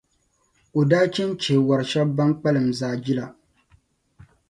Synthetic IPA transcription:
o˨daː˦t͡ʃɛ˦n˦t͡ʃe˨wa˨ɾɨ˨ʃɛ˦b̚ba˦ŋk͡pa˦lɨ˨mzaː˨d͡ʒi˦la˨

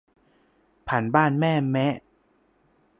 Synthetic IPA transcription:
pʰa˩˦nbaː˥˩nmɛː˥˩mɛ˦˥ʔ

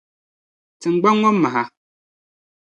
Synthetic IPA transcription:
t͡sɨ˨ŋ͡m̩˨ɡ͡ba˦ŋɔ˦mma˨ɦa˨

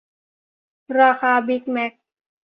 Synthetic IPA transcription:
ɾa˧xaː˧bi˦˥k̚mɛ˦˥k̚

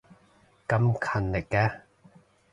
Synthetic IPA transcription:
kɐ˨˧˥mkʰɐ˨˩nlɪ˨kːɛ˧

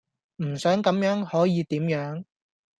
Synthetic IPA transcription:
m̩˨˩sœː˨˥ŋkɐ˨˥mjœː˨˥ŋhɔː˨˥jiː˨˧t̪iː˨˥mjœː˨˥ŋ

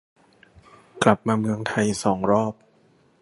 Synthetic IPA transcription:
kla˨˩p̚maː˧mɯ˧əŋt̪ʰa˧jsɔː˩˦ŋɾɔː˥˩p̚

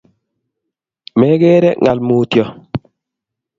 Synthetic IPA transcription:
mɛ˦ɡɛː˦ɾɛ˦ŋa˨lmu˨tjɔ˨

